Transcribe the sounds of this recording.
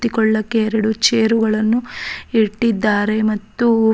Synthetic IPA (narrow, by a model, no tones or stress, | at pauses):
t̪ikɔɭːɐkːeːɾɐɽut͡ʃeːɾuɡɐɭɐnːuiʈːid̪ːaːɾe̞mɐt̪ːu